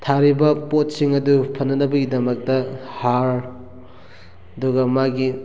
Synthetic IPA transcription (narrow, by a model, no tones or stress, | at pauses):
tʰaɾibɐpot̚siŋɐdupʰɐnːɐnɐbɐɡidɐmɐk̚tɐhaɾ | ɐduɡɐmaɡi